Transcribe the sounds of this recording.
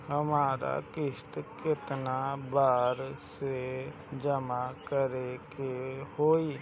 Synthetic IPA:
ɦəmaːɾa̰kɪst̪kɪt̪nabaːɾse | d͡ʒəmakəɾekehoːi

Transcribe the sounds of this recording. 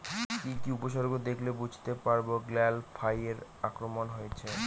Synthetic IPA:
kikiupoʃ̬oɾɡʱod̪ekʰlebud͡ʑʱt̪epaɾboɡlɛlfʰajeɾakɾomonɦojet͡ɕʰe

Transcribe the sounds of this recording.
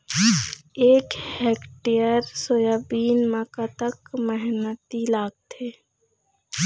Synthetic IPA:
eːkhɛːkʈijəɾsoːjaːbiːnmaːkat̪əkmɛɦnət̪ilaːɡ̚t̪ʰeː

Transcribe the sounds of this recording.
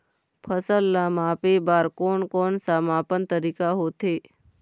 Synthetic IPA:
pʰəsəlːaːmaːpebaːɾkoːnkoːnsamaːpənt̪əɾiːkaɦoːt̪ʰeː

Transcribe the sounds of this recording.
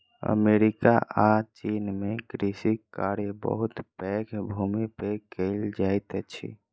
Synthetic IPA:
ə̰meɾikaʔat͡ʃinmeɡɾisikkːaɾebə̰ɦut̪pɛkʰbʱumipekəɪld͡ʒajt̪t͡ʃʰḭ

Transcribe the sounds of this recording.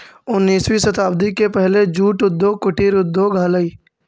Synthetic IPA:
ʊnːiːswisət̪aːbd̪ikepɛɦled͡ʒuːʈʊd̪ːoːkʊʈiːɾʊd̪ːoːɡʱaːləiː

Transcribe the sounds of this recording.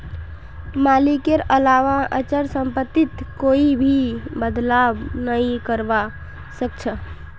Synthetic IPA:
malikeɾəlaʋaət͡ʃəɾsəmpət̪ːit̪koibʱibəd̪labnəĩkəɾba | sək̚t͡ʃʰə

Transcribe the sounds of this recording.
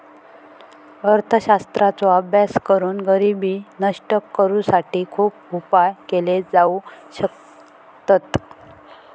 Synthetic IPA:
əɾt̪ʰəɕast̪ɾat͡soabʱjaskəɾuːnɡəɾibiːnəʂʈəkːəɾũːsaʈiːkʰuːp̚upajkeled͡zauɕək | t̪ət̪

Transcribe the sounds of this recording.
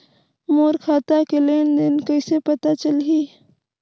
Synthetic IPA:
moːɾkʰaːt̪akeleːnd̪enkɐɪsepɐt̪at͡ʃəlɦiː

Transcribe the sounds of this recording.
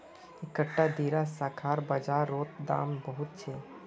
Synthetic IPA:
ɪkəʈːad̪iːɾasaːkʰaːɾbɐd͡ʒaːɾːoːt̪̚d̪a̰ːmbəɦʊt̪̚t͡ʃʰeː

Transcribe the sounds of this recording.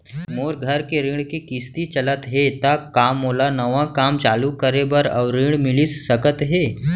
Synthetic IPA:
moːɾɡʱəɾkeɾĩːɽkikɪst̪it͡ʃələt̪ɦet̪akaːmːoːlanəʋãkaːmt͡ʃaːlukəɾebəɾɔ̰ːɾĩːɽmɪlisːəkət̪ɦeː

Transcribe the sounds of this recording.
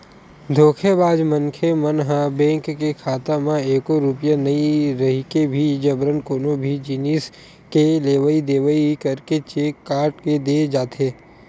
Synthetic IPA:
d̪ʱoːkʰebaːd͡ʒmənkʰemənɦãbɛ̃ːŋkːekʰaːt̪amãeːkoɾʊpjanɐiɾɐɦikebʱid͡ʒɐbɾənkoːnobʱid͡ʒiniːs | keleːʋəid̪eːʋəikɐɾket͡ʃeːkːaːɾʈked̪eːd͡ʒaːt̪ʰeː

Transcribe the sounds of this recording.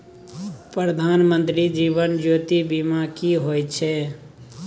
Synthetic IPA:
pɾəd̪ʱaːnmənt̪ɾid͡ʒibənd͡ʒoːt̪ibimakiɦojt͡ʃʰɛ

